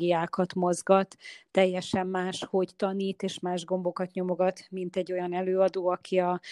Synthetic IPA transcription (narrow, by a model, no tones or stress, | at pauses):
ijaːkɒt̪mo̞zɡɒt̪ːɛjːɛʃɛmːaːʃho̞ct̪ɒniːt̪eːʃmaːʒɡo̞mbo̞kɒt̪ɲo̞mo̞ɡɒt̪mint̪ɛɟːo̞jɒnɛløːɒd̪oːɒkʰiɒ